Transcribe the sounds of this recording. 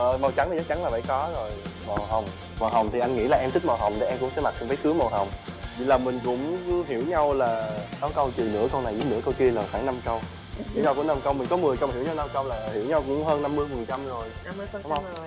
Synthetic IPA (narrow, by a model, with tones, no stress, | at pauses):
ʔəː˨˩mə˨˩wt͡ɕa˨˦ni˨˩t͡ɕa˦˥k̚t͡ɕa˨˦nlaː˨˩va̰˧˩jkɔ˨˦zo˨˩jmo˨˩ɦə˨˩wŋ͡m | mo˨˩ɦə˨˩wŋ͡mt̪ʰi˨˩ʔa˧jŋḭ˧˥laː˨˩ʔɛ˧mt̪ʰi˦˥k̚mo˨˩ɦə˨˩wŋ͡mɗe˨˩ʔɛ˧mkʊ̰˧˥ŋ͡msɛ̰˧˥ma˨˩t̚t͡ɕɔ˧ŋ͡mvə˨˦jkɨ˨˦əmo˨˩ɦə˨˩wŋ͡mvḭ˧˩laː˨˩mï˨˩ŋ̟kʊ̰˧˥ŋ͡mɦi˧˩əwɲa˧wlaː˨˩sɔː˨˦kə˧wt͡ɕi˨˩nɨ̰˧˥əkə˧wna˨˩jzɨː˨˦nɨ̰˧˥əkə˧wki˧ələː˨˩xwaː˧˩ŋna˧mkə˧w | za˧wkṵ˧˩ə˦na˧mkə˧wŋ͡mmï˨˩ŋ̟kɔ˨˦mɨ˨˩əjkə˧whi˧˩əwɲa˧wna˧mkə˧wlaː˨˩hi˧˩əwɲa˧wkʊ̰˧˥ŋ͡mɦəː˧nːa˧mːɨ˧jmɨ˨˩t͡ɕa˧mzo˨˩j